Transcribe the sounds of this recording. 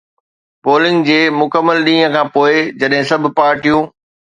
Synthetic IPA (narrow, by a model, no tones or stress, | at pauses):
poːlɪ̃ŋɡd͡ʑeːmʊkəmːəlɗĩːɦə̃kʰãːpoːɪd͡ʑɐɗɦɪ̃sɐbʱɪ̆paːɾʈijũː